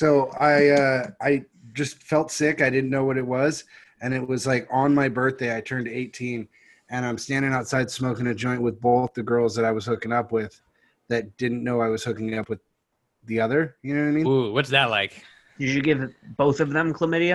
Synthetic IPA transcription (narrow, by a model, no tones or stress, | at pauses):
soʊaɪʌaɪ | d͡ʒʌstfɛlˠtsɪkaɪɾɪdⁿn̩noʊwʌɾɨt̚wʌz | ɨ̃nɨt̚wʌzlaɪkn̩maɪbɜ˞θd̥eɪaɪtʰɜ̃˞ndeɪtʰĩn | ɨ̃ɾ̃ãɪ̃mstæ̃ndɪ̃ŋaʊtsaɪd̚smoʊkɪ̃ŋɨd͡ʒɔ̃ɪ̃nʔ̚wɨðboʊθðɨɡɜ˞lˠzðɨɾaɪwʌz̥hʊkɪ̃ŋʌpwɪð̥ | ðɨt̚d̥ɪdⁿn̩noʊaɪwʌz̥hʊkɪ̃ŋɨɾʌpwɨð | ðiʌðə˞jɨnoʊwaɪmĩnuwʌtsðɨtˡlaɪk | d̥ɨd͡ʒɨɡɪvb̥oʊθʌvðə̃mkʰl̥əmɪɾi